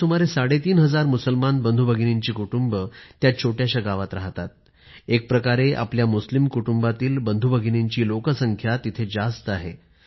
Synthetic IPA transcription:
umaɾesaɽet̪iːnɦəd͡zaɾmusəlmanbənd̪ʱubʱəɡʱineɲt͡ɕiːkuʈumbət̪jat͡ɕʰoʈjaɕaɡaʋat̪ɾaɦt̪at̪̚ | ek̚pɾəkaɾeʔa̰pljamuslimkuʈumbat̪iːlbənd̪ʱubəɡʱineɲt͡ɕiːlokəsəŋkʰjat̪it̪ʰed͡zast̪əaɦe

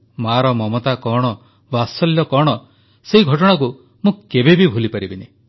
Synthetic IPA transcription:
maɾɔmɔmɔt̪akɔɽ̃ɔ | basɔljɔkɔɽ̃ɔ | seɦiɡʱɔʈɔɽ̃ak̬u | mũkebebibʱulipaɾibine

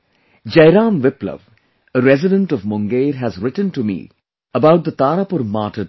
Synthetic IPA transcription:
d͡ʒɐɪɾãːmʋɪplə̰ʋ | əɾɛzɪɖə̃ɳʈɔvmʊ̃ŋɡeːɾɦæzɾɪʈə̃nʈumḭː | əbaʊʈ̚d̪ət̪aːɾapʊɾmaːʈə

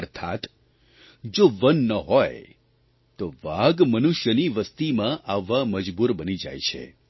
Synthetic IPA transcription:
əɾt̪ʰa̰t̪ | d͡ʒoʋənːəɦɔj | t̪oʋaɡmənuʃjəniʋəst̪imãʔaʋaməd͡ʒbuɾbənid͡ʒa̰jt͡ʃʰḛ

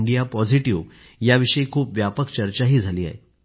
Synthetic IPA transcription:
ɳɖijapɔd͡ziʈiʋ | jaʋiʂəikʰuːpʋjapəkt͡ɕəɾt͡ɕaɦiːd͡zʱaliːa̰ɦḛ

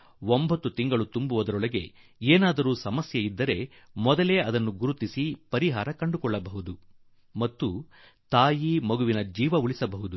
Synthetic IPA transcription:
wombɐt̪ːut̪iŋɡɐɭut̪umbuʋɐd̪ɐɾɔɭɐɡe̞̰ | eːnaːd̪ɐɾuːsɐmɐsjɐid̪ːɐɾe̞ | mɔd̪ɐle̞ːɐd̪ɐnːuɡuɾut̪isipɐɾiɦaːɾɐkɐɳɖukɔɭːɐbɐɦud̪u | mɐt̪ːu | t̪aːjimɐɡuʋinɐd͡ʒiːʋɐuɭisɐbɐɦud̪u

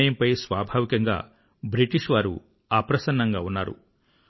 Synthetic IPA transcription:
jɐmpɐjsʋaːbʱaːʋikɐŋɡa̰ː | bɾiʈiʂʋaːɾṵ | aːpɾɐsɐnːɐŋɡaːunːaːɾṵ

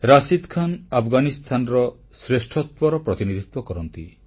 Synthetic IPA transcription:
ɾasid̪kʰanapʰɡanist̪ʰanɾɔ | sɾesʈʰɔt̪wɔɾɔpɾɔt̪inid̪ʱit̪wɔkɔɾɔnt̪i

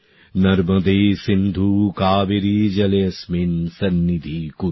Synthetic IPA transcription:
nɐɾmɐd̪eːsind̪ʱukaːʋiɾiːd͡ʒɐlɐjɐsminsɐnːid̪ʱiːku

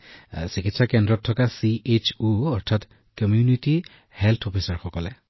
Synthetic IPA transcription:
sikit̪sakendɾɔt̪ʰːɔkasiet͡ʃuɔɾt̪ʰat̪ | kɔmjuniti | helt̪ʰɔpʰisaɹxɔkɔle

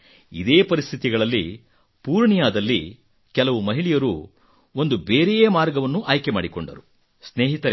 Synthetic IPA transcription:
id̪eːpɐɾist̪ʰit̪iɡɐɭɐlːi | puːɾɳijaːd̪ɐlːḭ | kɛlɐʋumɐɦiɭijɐɾu | o̞nd̪ubeːɾejeːmaːɾɡɐʋɐnːuʔaːjkema̰ːɽikoɳɖɐ̰ɾu | sneːɦit̪ɐɾe

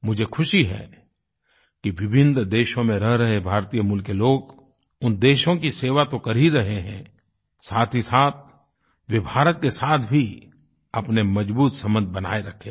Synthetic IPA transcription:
mʊd͡ʒʱekʰʊʃiɦɛ̰ | kiʋɪbʱɪnd̪d̪eːʃõmẽɾəɦɾɐɦebʱaːɾt̪iːjəmʊlkeloːɡ | ʊnd̪eːʃõkiseːʋat̪okɐɾiɾɐɦeɦɛ̃ː | saːt̪ʰisaːt̪̚ʰ | ʋeːbʱaːɾət̪̚kesaːt̪ʰbʱi | ɐpnemɐd͡ʒbuːt̪sɐmə̃nd̪̚ʱbɐna̰ːeɾɐkʰeː

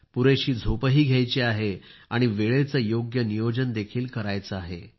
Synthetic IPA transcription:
puɾeɕiːd͡zʱopəɦiːɡʱjajt͡ɕiaɦeaɽ̃iʋeɭet͡səjoɡjənijod͡ʑənd̪ekʰiːlkəɾajt͡səaɦḛ

